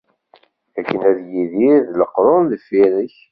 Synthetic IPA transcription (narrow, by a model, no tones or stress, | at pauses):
ækːənæðjiðiðləqɾˤonðəfiɾəç